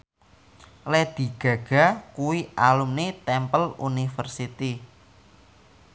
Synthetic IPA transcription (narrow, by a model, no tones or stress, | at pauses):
lɛd̪̥i̤ɡ̥ä̤ɡ̥a̤kuwiʔalumnit̪ɛmpəlunifərsit̪i